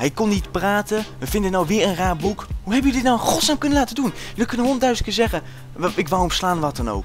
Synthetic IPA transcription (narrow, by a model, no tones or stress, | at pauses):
ɦɛjkɔnːitpraːtəʋəvɪndənawʋɪːɹənraːɹbukhuɦɛbənjədɪtnawχɔtsaːmkɵnəlaːtədunjəlikənənɦɔndœɥslkɪzɛχə | ɪkʋawɔmslaːnʋɑtɑno̰wk